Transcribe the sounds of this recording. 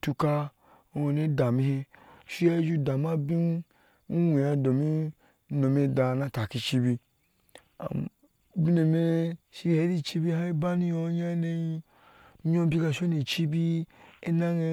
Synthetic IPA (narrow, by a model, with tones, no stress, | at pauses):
tu˧ka˧˨ | o˧ne˦da˨mĩ˧he˧ʃi˦e˦d͡ʒu˦da˨ma˦bi˦n˦ | we˨a˧do˨mi˦ | no˨m˦e˧da˨nã˧ta˨ki˧t͡ʃi˧bi˧ | a̰˨ | bi˦ne˨me˦ʃi˧he˨˦ɾi˦˨t͡ʃi˦bi˧ha˦i˦ba˦ni˧jo˧˦ɲa˦ne˧i˧˦ | ɲo˦bi˦ka˧ʃo˦ni˨t͡ʃi˦bi˦e˦na˦ŋe˧